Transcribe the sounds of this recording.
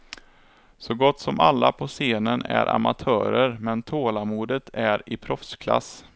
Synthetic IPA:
sɔɡɔt̪ːsɔmalːapʰɔseːnənæɾʔa̰mat̪ʰœːɾəɾmɛnt̪ʰoːlamuːd̪ət̪ʰæɾɪpʰɾɔfskʰla̰s

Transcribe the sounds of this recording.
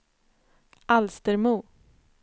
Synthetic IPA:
ʔalst̪əɾmuː

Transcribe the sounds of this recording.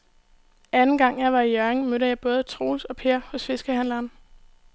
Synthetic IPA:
ænn̩ɡ̥ɑ̈ŋ̰jɑ̈ɪʋɑ̈ijœɐeŋmøɾəjɑ̈ɪb̥ɔ̽ːð̞̩ˠt͡sʰʁo̝̰ːlsɒ̽pʰe̝ːɐhɔ̽sfe̝sɡ̥əhæn̰lɐːn

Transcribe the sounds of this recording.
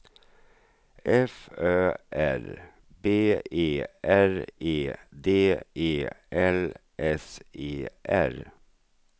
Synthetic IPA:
ʔɛføːʔæɾ | beːeːʔæɹeːd̪eːʔeːʔɛl | ʔɛseːʔæ̰ɾ

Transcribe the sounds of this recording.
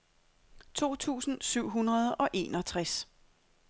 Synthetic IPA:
t͡sʰo̝̰ːt͡sʰṵːsn̩syʊ̰ɦunʁɐð̞ˠɒ̽ʔe̝̰ːnɒ̽t͡sʰʁas

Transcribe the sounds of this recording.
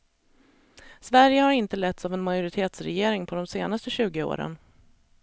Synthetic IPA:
svæɾjəhaɾɪnt̪əlɛt̪savɛnmajʊɾɪt̪ʰeːt̪sɾɛjeːɾɪŋpʰɔd̪ɔmseːnast̪əɕʉ̟ːɡəo̰ːɾə̰n

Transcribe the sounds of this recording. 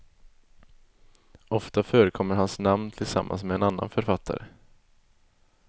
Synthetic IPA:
ɔft̪afœːɾəkʰɔmːəɾhansnamnt̪ʰɪlsa̰mːʔa̰nsmɛɛnanːa̰nfœɾfat̪ʰːa̰ɾə̰

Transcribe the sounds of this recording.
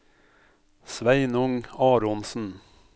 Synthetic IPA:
sʋæɪnʊŋɑːɾʊnsn̩

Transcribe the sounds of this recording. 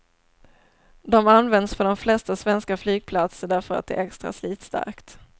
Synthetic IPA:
d̪ɔmanːvɛnd̪sfɔɖɔmflɛst̪asvɛnskaflyːɡ̚pʰlat̪səɖæɾfœɾa̰t̪̚d̪ɛ̰ɛkst̪ɾa̰sliːt̪st̪a̰ɾkt̪

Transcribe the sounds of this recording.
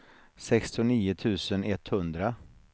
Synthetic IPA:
sɛkst̪ʊniːʊt̪ʰʉ̟ːsənɛt̪ːhɵnd̪ɾa

